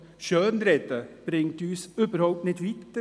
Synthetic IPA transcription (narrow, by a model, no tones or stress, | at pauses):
ʃœːnɾɛdəb̥ɾɪŋtyːsybəɾhaʊp̚tnɪtʋitə